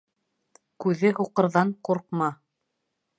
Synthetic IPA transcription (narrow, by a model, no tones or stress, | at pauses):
kʉðɘɦuqɤ̆ɾðɑɴquɾqmɑ